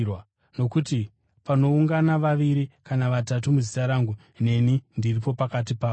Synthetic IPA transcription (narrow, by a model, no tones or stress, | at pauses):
w | no̞kuti | pano̞uŋɡanaʋaʋiɾikanaʋatatumuzitaɾaːŋɡu | ne̞nindiripo̞pakat̬ipaːo